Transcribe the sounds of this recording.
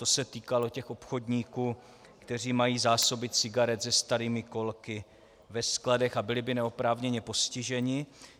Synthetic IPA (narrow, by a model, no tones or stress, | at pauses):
t̪osɛt̪iːkalo̞cɛxʔo̞pxo̞dɲiːkuː | kt̪ɛr̝iːmajiːzaːso̞bɪt̪t͡sɪɡaɾɛt̪zɛst̪aɾiːmɪko̞lkɪ | vɛskladɛxabɪlɪbɪnɛopɾaːvɲɛɲɛpo̞scɪʒɛɲɪ